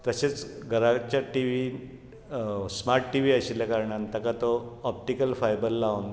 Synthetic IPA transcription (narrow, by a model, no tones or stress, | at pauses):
t̪əɕet͡sɡʱəɾat͡ɕjaʈiʋi | smaɾʈʈːiʋiːəɕiljakaɾɳant̪əkat̪oɔp̚ʈikəlfajbəlːaun